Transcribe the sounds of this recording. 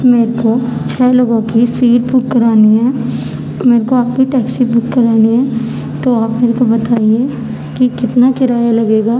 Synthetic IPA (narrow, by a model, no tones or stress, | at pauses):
meːɾkot͡ʃʰɛːloːɡõkisiːʈ̚bʊkːəɾaːniɦɛ̃ | meːɾekoaːp̚kiʈɛːksibʊkːɐɾaːniɦɛ̃ː | t̪oaːpmeːɾekobɐt̪aːie | kikɪt̪nakɪɾaːjalɐɡeːɡaː